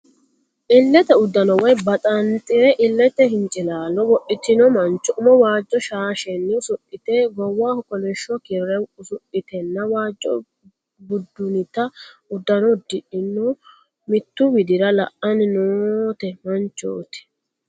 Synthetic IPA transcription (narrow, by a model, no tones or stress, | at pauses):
ʔɪlːɛt̪ɛʊd̪ːɐnɔwɔjbɐt̪ʼɐnt̪ʼɪɾɛʔɪlːɛt̪ːɛɦɪnt͡ʃʼɪlaːlɔwɔʔɪt̪ːɪnɔmɐnt͡ʃːɔʔʊmɔwaːd͡ʒːɔʃaːʃɛnːɪʊsʊʔɪt̪ɛɡɔwːaːhʊkɔlɛʃːɔkɪɾɛʊsʊʔɪt̪ɛnːɐwaːd͡ʒːɔ̰ | bʊd̪ːʊnɪt̪ːɐʊd̪ːɐnɔd̪ɪʔɪnːɔ | mɪt̪ːʊwɪd̪ɪɾɐlɐʔɐnnoːt̪ɛmɐnt͡ʃːo̰ːt̪ɪ̥